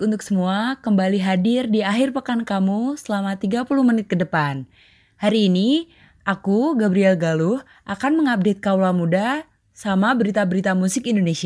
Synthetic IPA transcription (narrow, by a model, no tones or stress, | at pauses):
unt̪ʊk̚səmuakəmbaliɦadɪrdiaɦɪrpəkankamusəlamat̪iɡapuluhmənɪt̪̚kədəpan | haɾiːni | ʔakuɡabɾiɛlɡaluh | ʔakanməŋap̚det̪̚kawlamuda | samabəɾit̪abəɾit̪amusɪkindonesia